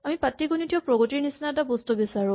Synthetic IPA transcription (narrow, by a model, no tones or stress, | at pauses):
amipatːiɡunitijɔpɹɔɡɔtiɹnisnatabɔstubisaɹʊ̃